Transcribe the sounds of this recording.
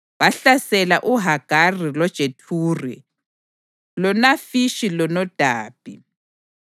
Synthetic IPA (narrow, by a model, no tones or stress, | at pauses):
waɬasɛlaʔuɦaɡ̥ʱarilɔd̥ʒ̥ʱetʰuːrɛ̰ | lɔnafiʃilɔnɔd̥ʱaːb̥ʱi